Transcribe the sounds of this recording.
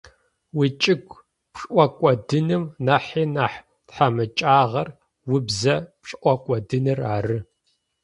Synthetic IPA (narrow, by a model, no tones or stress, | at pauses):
wit͡ʃʼɪkʷ | pɕʼʔʷɔkʷʼɔdɨnɨmnaħiːnaħ | tħamɨt͡ʃʼaːʁɐr | wʊbzɐpɕʼʔʷɔkʷʼɔdɨnɨraːrɨ